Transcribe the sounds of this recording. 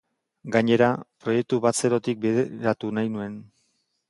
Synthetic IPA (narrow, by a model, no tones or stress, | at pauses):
ɡaɲe̞ɾapɾo̞je̞k̚t̪uβat͡se̞ɾo̞t̪ik̚beðeɾat̪unajnue̞n